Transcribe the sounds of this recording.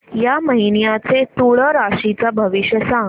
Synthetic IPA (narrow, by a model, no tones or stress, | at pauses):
jaməɦinjat͡set̪uɭəɾaʂit͡sabʱəʋiɕjəsãŋɡ